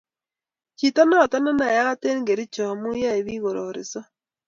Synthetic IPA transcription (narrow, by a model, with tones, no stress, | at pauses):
t͡ʃi˨ta˦nɔ˦˨ta˦na˦na˨ja˦ɣa˦te˦n˦ɡe˨ɾi˦t͡ʃɔ˨mu˦ja˦e˨βi˦ɣo˨ɾɔ˨ɾɪ̰˨sɔ˦